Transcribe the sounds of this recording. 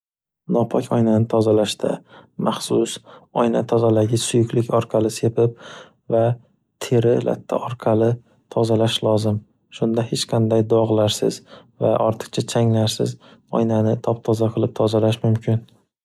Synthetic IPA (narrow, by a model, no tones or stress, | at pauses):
nɒpʰɒkʲʰɒjnanɪt̪ʰɒzalaʃt̪ʰa̰mʔaχsʊsɒjnat̪ʰɒzad̪aɡʲɪsʊjʊkʲlɪkʲɒɾqʰɑlɪse̞pʰɪp̚ | va | t̪ʰeɾɪlʔa̰t̪ʰːa̰ʔɒɾqʰɑlɪ | t̪ʰɒzalaʃlˠɒzɪm | ʃʊnd̪ahet͡ʃqʰɑnd̪ajd̪ɒʁlˠaɾsɪ̰zvaʔɒɾt̪ʰɨ̥qt͡ʃʰat͡ʃʰaŋlaɾsɪ̰zɒ̰jnanɪt̪ʰɒp̚t̪ʰɒzaqʰɨlˠɪp̚t̪ʰɒzalaʃmʊmkʰʲɪn